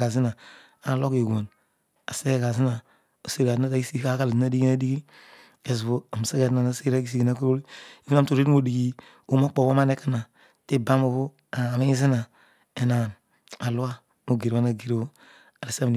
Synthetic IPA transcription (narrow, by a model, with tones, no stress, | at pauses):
a˨zi˦na˨ | a˨lo˦ke˨ɡʷo˨n | a˨se˦ɡe˦˨ka˨zi˦na˨ | o˨se˦˨a˨tna˦ta˨i˦si˦ka˦ka˨lzi˦na˦di˦ɡi˦na˦di˦ɡi˦ | e˨zβo˦a˨m˨se˦ɡe˨ta˨na˦se˦ɾa˦ki˦si˦ɡi˨na˦ku˦ɾo˦li˦i˦u˦na˦mto˨ɾe˦mo˨di˨ɡi˦ | o˨mo˦k͡po˨bo˦ma˦ne˦ka˦na˨ | te˦ba˦mo˨βu˦ | a˨mi˦i˦zi˦na˨ | e˨na˨ | a˨lu˦a˦ | mo˨ɡe˨ɾa˦na˨ɡe˨ɾbo˦ | a˨li˨sa˦m˨n˨